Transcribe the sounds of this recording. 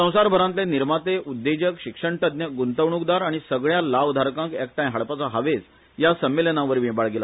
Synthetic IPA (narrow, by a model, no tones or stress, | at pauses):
sə̃w̃saɾbʱəɾãnt̪leniɾmat̪eʔud̪ːed͡ʑəkɕikʂəɳt̪əd̪njəɡunt̪əʋɳukd̪aɾaɽ̃isəɡɭjalaʋd̪ʱaɾkãŋkɛk̚ʈajɦaɭpat͡saɦaʋet͡s | jasəmːelənãʋəɾʋĩbaɭɡela